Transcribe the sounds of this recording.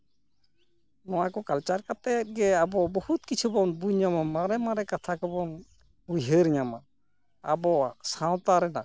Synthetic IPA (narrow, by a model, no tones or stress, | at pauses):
nɔwakɔkalt͡ʃaɾkat̪ɛt̪̚ɡɛabɔbɔhut̪̚kit͡ʃʰubɔnbuɲamamaɾɛmaɾɛkat̪ʰakɔbɔn | bujɦəɾiɲama | a̰bɔsãw̃t̪aɾɛna̰